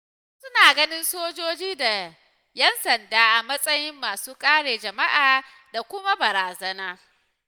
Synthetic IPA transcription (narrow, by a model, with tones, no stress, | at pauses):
sʊ˦naː˨ɡɐ˦nɪ˦nsoː˦d͡ʒoː˦d͡ʒiː˦da˨ | jɐ˦nsɐ˨ndaː˦ʔa˨mɐ˦sʼɐ˦jɪ˦mːaː˨suː˦kʼaː˦ɽeː˨d͡ʒɐ˨ma˦ʔaː˨ | da˨kʷʊ˦ma˦bɐ˨ɾaː˨zɐ˦naː˦